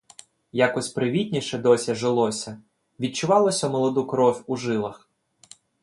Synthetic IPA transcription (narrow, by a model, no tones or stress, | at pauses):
jakɔsʲpɾɪʋʲit̪ʲnʲiʃɛd̪ɔsʲɐʒelˠɔsʲɐ | ʋʲid̚t͡ʃʊʋɑlˠɔsʲɐmɔlˠɔd̪ukɾɔfʲuʒɪlˠɐx